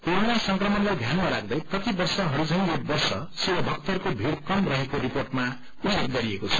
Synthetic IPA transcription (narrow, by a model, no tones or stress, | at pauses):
peɾunasʌŋkrʌmʌnlajd̪ʱjanmaɾaɡ̚d̪ʌjprʌt̪ibʌrsʌɦʌɾud͡zʌɦĩjobʌrsʌsiwʌbʱʌk̚t̪ʌrkobʱiɾkʌmrʌɦekoɾiporʈma | ud͡zeɡ̪̚ɡʌɾiekot͡sʰʌ̥